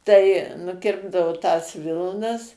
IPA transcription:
tɐɪ nʊˈkʲɪrbdɐʋoː tɐs ˈʋʲɪlˠnɐs

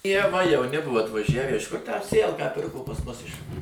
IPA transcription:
iɛ ʋɐ jɛʊˈnʲɪ ˈbʊʋoː ɐtʋɐˈʒʲæʋʲæː ɪʃ kʊr tʲæː ˈsʲeːjɛlˠkɑː ˈpʲɪrkoː pɐs ˈmʊs ɪʃ

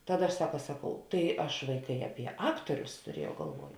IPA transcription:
ˈtɑːˌdɐ ɐʃ ˈsɑːkɐ ˈsɑːˌkɐʊ tɐɪ ˈɐʃ ˈʋɐɪˌkɐɪ ɐˈpʲiɛ ˈɑːktoːrʲʊs tʊˈrʲiɛjɛʊ ɡɐlˠˈʋuɔj

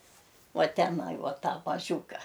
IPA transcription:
ˈuɔ tʲɛˈnɐɪ ˈuɔ ˈtɑː mɐˈʒʲuːkɐ

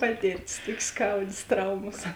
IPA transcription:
ˈpɑːtʲɪrʲˌtʲɪs ˈtoːkʲeː ˈskɐʊdʲeːs ˈtrɐʊmoːs

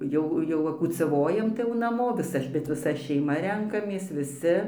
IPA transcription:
ˈjɛʊ jɛʊ ʋɐ kuːt͡sɐˈʋoːjɛm tɐɪ jɛʊ nɐˈmoː ʋʲɪˈsɐ bʲɛt ʋʲɪˈsɐ ʃʲɛɪˈmɐ ˈrʲɛŋkɐmʲeːs ʋʲɪˈsʲɪ

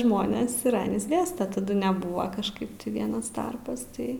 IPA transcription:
ˈʒmoːnʲeːs ɪr ˈɑːnʲiːs ˈɡʲæːstɐ tɐˈdʊ nʲɛˈbʊʋɐ kɐʃˈkɐɪp tʲɪ ˈʋʲiɛnɐs ˈtɐrpɐs ˈtɐɪ

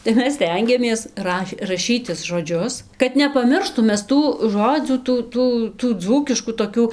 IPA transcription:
tɐɪ ˈmʲɛs ˈsʲtʲɛŋʲɡʲɛmʲeːs ˈrɐʃ rɐˈʃʲiːtʲɪs ʒoːˈd͡ʒʲʊs kɐt nʲɛpɐˈmʲɪrʃtʊm ˈmʲɛs ˈtuː ˈʒoːd͡zʲuː ˈtuː ˈtuː tuː ˈd͡zuːkʲɪʃkuː toːˈkʲuː

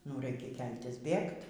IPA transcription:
nʊ ˈrɐɪkʲɛ ˈkʲɛlʲtʲɪs ˈbʲeːkt

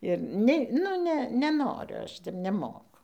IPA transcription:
ɪr ˈnʲɛ nʊ ˈnʲɛ nʲɛˈnoːrʲʊ ˈɐʃ tʲɛp nʲɛˈmoːkʊ

